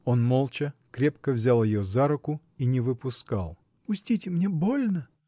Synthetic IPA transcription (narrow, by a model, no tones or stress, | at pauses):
onmolˠt͡ɕəkɾʲepkəvzʲalˠjɪjozaɾʊkʊ | inʲɪvɨpʊska̰lˠ | pʊsʲtʲitʲɪmnʲebolʲnə